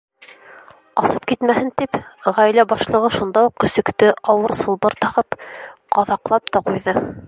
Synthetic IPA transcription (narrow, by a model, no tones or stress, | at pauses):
ɑsɤp̚kit̪mæhɘnt̪ipʁæjlæbɑʃlˠɤ̆ʁɤʃund̪ɑuqkɵ̆sɵ̆kt̪ɘʔɑwɤɾsɤ̆lˠbɤɾt̪ɑʁɤpqɑðɑqlˠɑp̚t̪ɑqujðɤ